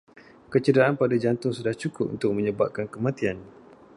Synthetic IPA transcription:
kət͡ʃədaʔanpadad͡ʒant̪ʊŋsudaht͡ʃukʊp̚ṵnt̪ʊk̚mə̃ɲəba̰p̚kankəmãt̪ian

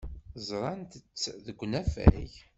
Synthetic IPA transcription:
zˤɾˤɑnt̪ət͡sːðəɡʷːnæfæ̰ç

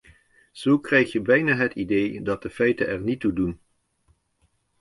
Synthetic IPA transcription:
z̥owkrɛjχjəbɛjnaːɦətidejdɑt̚dəfɛjtənɛɹnitudun

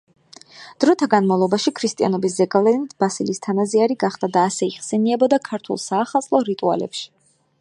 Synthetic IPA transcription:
d̪̥ɾɔt̪ʰaɡanmavlˠɔbaʃikʰɾist̪ʼia̰nɔbiszɛɡʼavlɛnit̪ʰbasilist̪ʰanaziaɾiɡaχd̪ad̪aːsɛiχsɛniɛbɔd̪akʰaɾt̪ʰṵlˠsaːχalˠt̪sʼlˠɔɾit̪ʼua̰lɛ̰pʃi̥

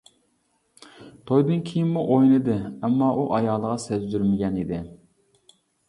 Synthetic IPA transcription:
t̪ʰojd̪ɨnkʲʰijinmuʔojnɨd̪ɪɛmːɑʔuʔɑjɑːlˠəʁɑsɛzd̪yɾmɪɡʲɛnid̪ɪ

